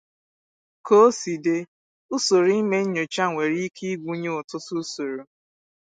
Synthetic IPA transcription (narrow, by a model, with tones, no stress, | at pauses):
kʰo˦si˨de˦ | ʊ˦so˨ɾi˦me˦ɲo˨t͡ʃa˦˨ŋʷe˨ɾi˦kʰi˦ɡʷu˦ɲe˦ʊ˨tʊ˦tu˦so˨ɾo˨